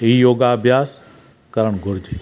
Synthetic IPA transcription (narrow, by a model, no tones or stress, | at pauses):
eijoːɡabʱjaːs | kəɾəɳ̃ɡʱʊɾd͡ʒe